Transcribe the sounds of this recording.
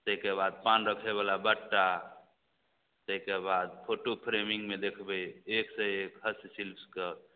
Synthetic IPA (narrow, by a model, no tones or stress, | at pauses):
t̪əɦikebad̪̚panɾəkʰeβalabəʈːa | t̪əɦikebad̪̚pʰoʈopʰɾemiŋɡmed̪ekʰbəeksəekɦəssilpʰskə